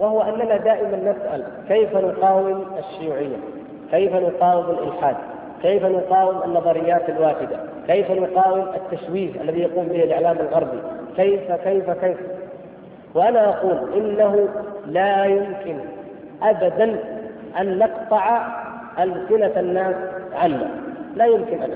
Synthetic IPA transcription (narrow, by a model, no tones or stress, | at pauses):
wahʊwaʔanːanad̪aːʔɪmanːasʔa̰l | kajfanʊqɑːwɪmaʃːʊjuːʕɪjːa̰ | kajfanʊqɑːwɪmalʔɪ̰lħaːd̪̚ | kajfanʊqɑːwɪmanːɑðˤɑɾɪjːaːt̪alwaːħɪd̪a | kajfanʊqɑːwɪmat̪ːaʃwiːfʔa̰lːaðijɑquːmbɪhalʕalaːmalɣɑɾˤbikajfakajfakaj | wɪʔanaʔɑquːlʔɪnːaɦʊlaːjʊmkɪn | ʔabad̪an | ʔanːɑqt̪ˤɑʕa | ʔalsɪnaanːaːsʕanːa̰laːjʊmkɪnʔan